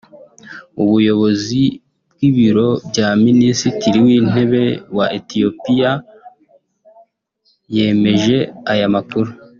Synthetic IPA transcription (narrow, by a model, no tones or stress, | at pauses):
uβujo̞βo̞zi | b̚ɡiβiɾo̞bjaːminisitiɾiwiːn̥e̞βe̞waʔetio̞pija | je̞ːme̞ʒe̞ajamakuɾu